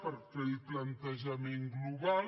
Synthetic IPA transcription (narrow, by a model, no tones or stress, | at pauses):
pəɾkɛplənt̪əʒəmeŋɡluβal